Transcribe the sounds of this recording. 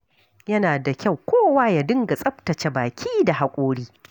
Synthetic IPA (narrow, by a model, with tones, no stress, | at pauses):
jɐ˦naː˨da˨kʲa˦˨wkʷoː˦waː˦ja˨dɪ˦ŋɡa˨sʼɐ˦ɸtɐ˨t͡ʃe˦baː˨kʲʰiː˦da˨ha˨kʷʼoː˦ɽiː˦